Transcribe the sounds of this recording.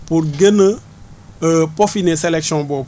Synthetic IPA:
puɾɡənə | əpofineselɛksiɔ̃bɔ

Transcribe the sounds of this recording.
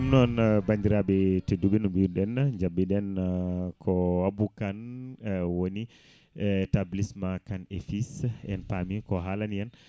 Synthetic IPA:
mnɔnbandiɾaɓɛteduɓinumbiuɗɛnɲd͡ʒabːiɗɛnkʰɔwabukan | woni | tablismakanefisɛ̰npamikɔɦalanijan

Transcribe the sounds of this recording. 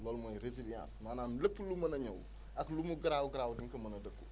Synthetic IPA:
lɔlmojɾezilijã̰nsnananləpːulumɐnɐɲɐw̰ | aklumuɡɾawuɡɾawudiŋkɐmɐnɐdɐkːu

